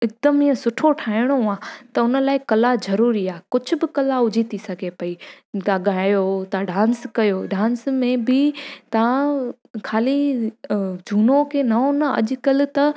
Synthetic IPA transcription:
ɪk̚d̪əmiə̃sʊʈʰoʈʰaːɪɽ̃oãːt̪ɐʊnə̆laːɪkɐlazɐɾuːɾiaːɦkʊd͡ʑʱʊ̆bɪkɐlaʊd͡ʑʱit̪isɐɡʱepɐi | t̪ãɠaːjot̪aɖãːnskɐjoɖãːnsmẽbɪt̪ɐã | kʰaːli | d͡ʑʱuːnokʰenɐõnɐɐ̰ʄʊkɐlɪ̆t̪ɐ

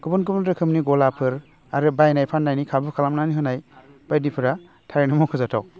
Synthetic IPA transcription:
kubɯnk̬ɯbndɾɯkʰɯmniɡɔlapʰɯɾ | aɾɯbajnajpʰanːajnikʰabɯkʰalamnaniɦɯnaj | b̥ajdipʰɯɾa | tʰaɾinɯmɔkʰɯzatʰaw

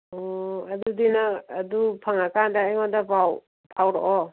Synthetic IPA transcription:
ɔadudinaːdupʰaŋakandaajŋɔndabaw | pʰawɾɔ̰ʔɔ

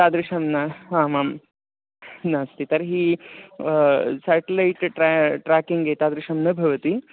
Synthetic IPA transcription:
t̪aːd̪ɾiʂɐmnaɦãːmam | naːst̪it̪ɐɾɦiː | sæʈelaiʈʈɾakiŋɡet̪aːd̪ɾiʂɐmnɐbʱɐʋɐt̪i

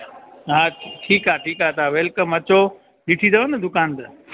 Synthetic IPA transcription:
ɦaːʈʰiːkaːʈʰiːkɦaːt̪ʰaːʋeːlkəmɐt͡ɕo | ɗɪʈʰid̪ɐʋənɐd̪ʊkaːnt̪ɐ

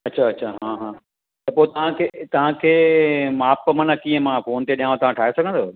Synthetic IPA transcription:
ɐtːɕʰaɐtːɕʰaɦãːɦãː | t̪ɐpoːet̪ɐʋ̤ãkʰet̪ɐʋ̤ãkʰeːmaːpmɐ̃nəkiːə̃mãːfoːnt̪eɗijãːʋõt̪ɐʋ̤ãʈʰaːɦesɐɡʱə̃nd̪oː

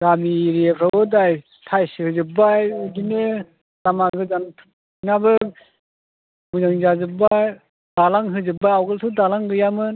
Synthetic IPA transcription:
ɡamiɾepʰɾawɯdaj | tʰajshɯzɯbajɡinɯ | damaɡɯzantʰ | nabɯ | muzaŋzazɯbaj | d̥alaŋɦɯzɯbajawɡɯltʰɯdalaŋɡɯjamɯn

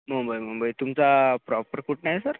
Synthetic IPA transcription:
m̤əmbajm̤əmbajt̪umt͡sapɾɔpəɾkuʈnajsəɾ

